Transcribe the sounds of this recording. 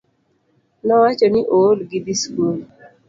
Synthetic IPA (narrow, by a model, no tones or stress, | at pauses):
nɔwat͡ʃoniʔolɡid̪iskul